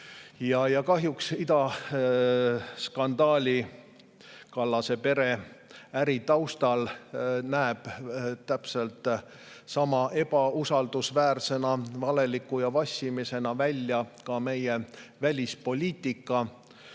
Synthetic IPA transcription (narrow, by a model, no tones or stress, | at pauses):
jɑjɑkɑɦjuksit̪ɑ | skɑnd̪̥ɑːlʲi | kɑlːɑse̞pe̞ɾe̞æɾit̪ɑwst̪ɑlnæeb̥t̪ːæpse̞lt̪ˑ | sɑmɑʔe̞b̥ɑusɑld̪̥usvæːrse̞nɑvɑle̞likːujɑvɑsʲimise̞nɑvælʲjɑkɑme̞jevælʲispo̞lʲiːt̪ːˑikːˑɑ